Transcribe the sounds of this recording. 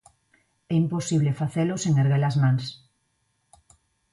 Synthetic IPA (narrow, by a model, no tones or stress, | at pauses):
ɛimposiβlefaθeloseŋeɾɣelazmãŋs